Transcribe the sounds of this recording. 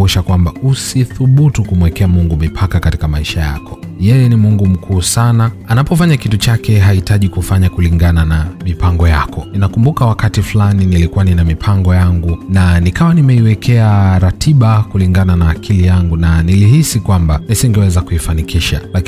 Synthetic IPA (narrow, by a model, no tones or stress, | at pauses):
uʃakwambausiθuɓutukum̩wɛkɛamuŋɡumipʰakakati̥kamaiʃaja̰kɔ̥jɛjɛnimuŋɡum̩kʰuːsanaanapɔfaɲakitut͡ʃakɛɦaitaʄikufaɲakuliŋɡananamipaŋɡɔja̰kʰɔninakumbukawakatiflaninilikuwaninamipʰaŋɡɔjaŋɡunanikawanimɛiwɛkʰɛaɾatʰiɓakuliŋɡananaːkʰilijaŋɡunaniliɦisikwambanisiŋɡɛwɛzakuifanikiʃa̰lak